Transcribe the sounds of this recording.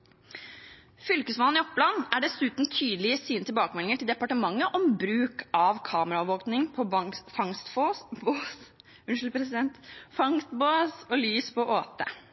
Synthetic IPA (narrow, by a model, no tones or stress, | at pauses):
fʏlkəsmɑnɪɔpːlɑnæɖɛsʉːt̪n̩t̪ʰyːd̪lɪəsiːnət̪ɪlbɑːkəmɛlɪŋəʈʰɪld̪ɛpɑʈəmɑŋːəʔɔmbɾʉːkʰɑʋkʰɑːməɾɑɔʋoːknɪŋpʰɔfɑŋst̪foboːs | ʉnʂl̩pʰɾɛsɪd̪ɛnt̪fɑŋst̪boːsɔlyːspʰɔʔoːt̪ə̰